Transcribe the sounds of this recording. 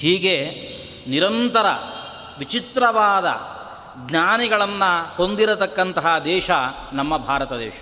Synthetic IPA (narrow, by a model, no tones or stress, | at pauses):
hiːɡe | niɾɐnt̪ɐɾɐ | ʋit͡ʃit̪ɾɐʋaːd̪ɐ̰ | ɡɲaːniɡɐɭɐnːɐho̞nd̪iɾɐt̪ɐkːɐnt̪ɐɦɐd̪ɛːʃɐ | nɐmːɐbʱaːɾɐt̪ɐd̪ɛ̰ːʃɐ̥